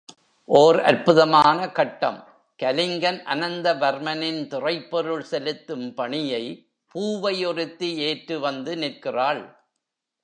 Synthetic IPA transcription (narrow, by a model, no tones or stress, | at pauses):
ʔoːɾɐ̰ɾpɯðɐmaːnɐkɐʈːɐ̰m | kɐlɪŋɡɐnʔɐ̰nɐnd̪ɐʋɐɾmɐnɪnt̪ɪrɐɪpːɔɾɯɭsɛlɯt̪ːɯmpɐɳɪjɐɪ | puːʋɐjɔrɪt̪ːieːʈrɯʋɐnd̪ɯnɪrkɪraːɭ